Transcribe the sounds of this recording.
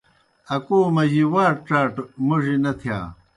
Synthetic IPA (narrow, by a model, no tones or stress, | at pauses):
ɐkoːmɐd͡ʑiwaːɾʈ͡ʂaːʈmuʐinɐt̪ʰija̰ː